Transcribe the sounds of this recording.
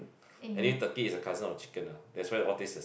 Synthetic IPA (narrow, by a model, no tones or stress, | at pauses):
ɛ̃nĩtəkiisəkʰazə̃nɔft͡ʃi̥kə̃nadɛtswajdəɔtisdə